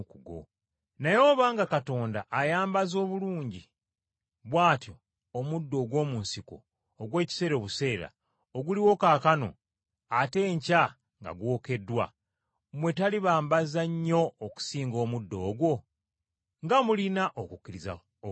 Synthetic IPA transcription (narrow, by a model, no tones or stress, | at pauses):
kuɡo̰ | najo̞ːβaːŋɡakato̞ːndaʔːjaːmbazo̞ːβuluːɲɟi | βwaːtjo̞ː | mudːo̞ːɡwo̞ːmuːnsiko̰ː | ɡwe̞ːci̥se̞ːɾo̞ːβuse̞ːɾa̰ | oɡuliwo̞kaːkano̞̰ | ate̞ːɲca | ŋɡa̰ɡwo̞ːke̞dːwa̰ | mwe̞taliβaːmbazaɲːo̞ːku̥siːŋɡo̞ːmudːo̞ːɡwo̞ | ŋɡamulinaʔokucːiɾiza̰